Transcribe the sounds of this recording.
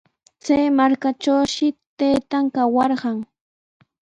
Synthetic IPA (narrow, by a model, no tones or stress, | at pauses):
t͡sajmaɾkaʈ͡ʂawʃɪt̪ajt̪aŋkawɑɾɢɑŋ